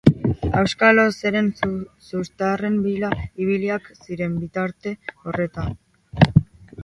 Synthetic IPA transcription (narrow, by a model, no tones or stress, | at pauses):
awskalose̞ɾe̞nsust̪are̞mbilaiβ̞iliaksiɾe̞mbit̪aɾt̪e̞o̞re̞t̪a